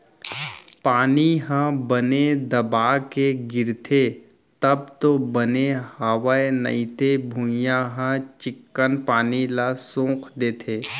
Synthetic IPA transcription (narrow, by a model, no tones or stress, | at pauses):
paːniɦãbəned̪ɐbaːkeɡɪɾt̪ʰe | t̪ɐb̚t̪obənehaʋaenɐ̰it̪ebʱũjãɦə̃t͡ʃɪkːənpaːnilasõːqʰd̪eːt̪ʰeː